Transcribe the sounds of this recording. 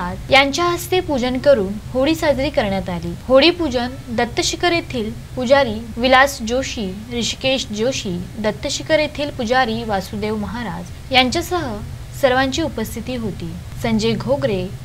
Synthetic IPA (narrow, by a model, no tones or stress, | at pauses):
at̪jaɲt͡ɕjaɦəst̪epud͡ʑənkəɾuːnhoɽiːsad͡zɾiːkəɾɳjat̪alḭːhoɽiːpud͡ʑən | d̪ət̪ːəɕikəɾet̪ʰiːl | pud͡zaɾiːʋilasd͡ʑoɕiː | ɾiɕkeɕd͡ʑoɕiːd̪ət̪ːəɕikəɾet̪ʰiːlpud͡zaɾiːʋasud̪eʋməɦaɾad͡z | jaɲt͡ɕjasəɦə | səɾʋãɲt͡ɕiːupəst̪ʰit̪iːɦot̪iː | səɲd͡ʑeɡʱoɡɾe